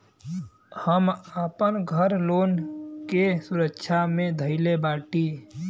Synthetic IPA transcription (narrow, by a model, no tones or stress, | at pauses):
həməpənɡʱəɾloːnkesʊɾəkʃʰamẽd̪ʱəɪlebaːʈi